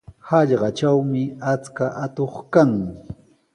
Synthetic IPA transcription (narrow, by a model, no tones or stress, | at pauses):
hɑʎɢɑt͡ʃawmɪat͡skaʔat̪oχkaŋ